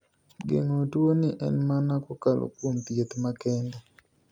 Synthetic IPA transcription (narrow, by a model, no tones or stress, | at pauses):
ɡḛŋotwoniʔɛ̰nmanakokalo̰kwomt̪jet̪makɛndɛ